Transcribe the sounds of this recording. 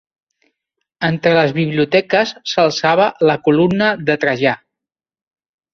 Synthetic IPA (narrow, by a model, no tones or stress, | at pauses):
ənt̪ɾələzβiβ̞liut̪ɛkəsːəlˠsaβələkulumnəðət̪ɾəʒa